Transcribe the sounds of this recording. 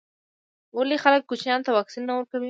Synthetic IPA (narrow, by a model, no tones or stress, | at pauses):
walexalək̚ːut͡ʃnjɑnt̪awɑksinːawəɾkawi